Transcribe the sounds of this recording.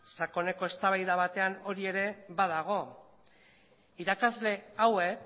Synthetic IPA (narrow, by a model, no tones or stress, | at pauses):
sako̞ne̞ko̞e̞st̪aβ̞ajðaβ̞at̪e̞ano̞ɾie̞ɾe̞βað̞aɣ̞o̞ | iɾakazle̞awe̞k